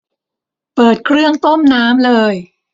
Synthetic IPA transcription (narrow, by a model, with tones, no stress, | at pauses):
pɤː˨˩t̪̚kʰɾɯ˥˩əŋt̪o˥˩mnaː˦˥mlɤː˧j